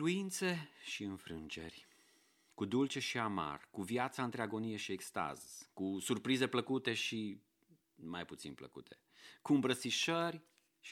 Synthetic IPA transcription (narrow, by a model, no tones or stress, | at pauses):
luint̪se̞ʃiɨnfɾɨnd͡ʒe̞̰rʲ | kud̪ult͡ʃe̞ʃiama̰rkuvjat̪saɨnt̪ɾeaɡo̞nije̞ʃiekst̪a̰zkusurpɾize̞pləkut̪e̞ʃi | majput̪sḭnplə̰kṵt̪ʰe̞̥ | kuɨmbɾət̪siʃərʲ | ʃ